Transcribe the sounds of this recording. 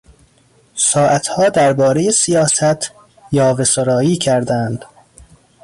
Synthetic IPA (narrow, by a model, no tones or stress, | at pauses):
sɒːʔæt̪hɒːd̪æɾbɒːɾejesijɒːsæt̪ʰ | jɒːvesoɾɒːiːcʰæɾd̪ænd̪̥